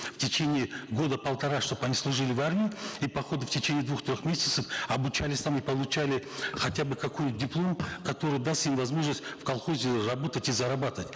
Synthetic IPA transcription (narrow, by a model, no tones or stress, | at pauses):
ftʲɪt͡ɕenʲɪiɪɡo̞d̪əpəlˠt̪ɐɾaʂt̪o̞pɐnʲislˠʊʐɨlʲɪvarmʲɪɪipɐxo̞d̪ɨftʲɪt͡ɕenʲijɪd̪vuxt̪ɾʲo̞xmʲesʲɪ̥t̪səfɐbʊt͡ɕalʲɪsʲt̪amipəlˠʊt͡ɕalʲɪχɐtʲabɨkɐko̞jdʲɪplˠo̞mkɐt̪o̞ɾɨjd̪ast̪imvɐzmo̞ʐnəsʲtʲfkɐlˠχo̞zʲɪrɐbo̞t̪ətʲizɐɾɐbat̪əətʲ